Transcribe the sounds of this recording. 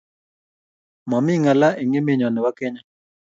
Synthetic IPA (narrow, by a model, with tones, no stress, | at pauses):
mɔ˨mɪ˦ŋa˨la˦ʔe˨ŋɪ˦mɪ˦ɲɔ˨nɪ˨wa˦kɛ˦ɲa˦